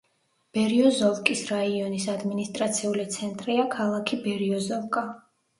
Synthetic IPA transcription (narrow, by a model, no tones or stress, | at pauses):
b̥ɛɾiɔzɔlkʼisɾaiɔnisad̪minist̪ʼɾat̪sʰiulit̪sʰɛnt̪ʼɾiakʰalˠakʰibɛɾiɔzɔvkʼa